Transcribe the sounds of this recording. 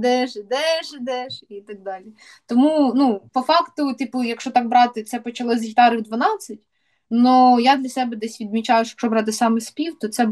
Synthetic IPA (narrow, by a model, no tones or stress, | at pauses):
d̪ɛʒd̪ɛʒd̪ɛʃit̪ɐɡ̚d̪ɑlʲi | t̪ɔmunupɔfɑkt̪ʊt̪ʲipjɐkʃɔt̪ɑk̚bɾɑt̪ɪt̪sɛpɔt͡ʃɐlˠɔzʲit̪ɑɾɪwd̪ʋɐnɑt͡sʲːɐtʲ | nɔjad̪lʲɐsɛbɛd̪ɛsʲʋʲid̪mʲit͡ʃɑjʊʃjɐkʃɔbɾɑt̪ɪsɑmɛspʲiwt̪ɔt̪sɛ